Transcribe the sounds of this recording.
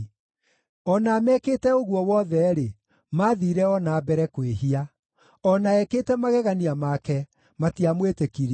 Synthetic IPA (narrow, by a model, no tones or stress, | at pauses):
ɔnaːmɛkeːtɛoɣuɔwɔðɛɾe | maðiːɾɛɔnabɛɾɛkweɦia | ɔnaɛkeːtɛmaɣɛɣaniamakɛ | matiamwetekiɾ